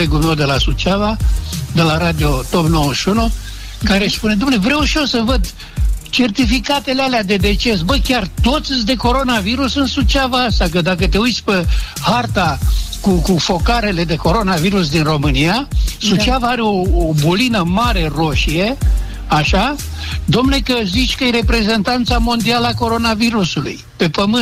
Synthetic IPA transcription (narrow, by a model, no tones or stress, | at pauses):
eɡulmewd̪e̞lasut͡ʃavad̪e̞laɾad̪io̞t̪o̞pno̞wəʃunu | kaɾeʃpuned̪umnevɾewʃiosəvəd̪ | t͡ʃe̞rt̪ifikat̪e̞lealead̪e̞d̪e̞t͡ʃe̞s̬bəkʲart̪o̞t̪sd̪e̞ko̞ɾo̞naviɾusɨnsut͡ʃiavaast̪ak̬əd̪akət̪e̞ujt̪sʲpehart̪akukufo̞kaɾe̞le̞d̪e̞ko̞ɾo̞naviɾusd̪inro̞mɨnijasut͡ʃavaaɾeo̞ːbulinəmaɾe̞ro̞ʃije̞ | aʃa | d̪omne̞kəzit͡ʃʲkəjeɾe̞pɾe̞ze̞nt̪ant̪samo̞nd̪ialəako̞ɾo̞naviɾusulṵj | pe̞pəmɨ